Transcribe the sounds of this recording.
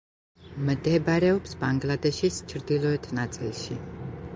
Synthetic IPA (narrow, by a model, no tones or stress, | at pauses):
md̪ɛbaɾɛɔpsbaŋɡlad̪ɛʃist͡ʃʰɾd̪ilˠɔɛt̪ʰnat̪sʼilˠʃḭ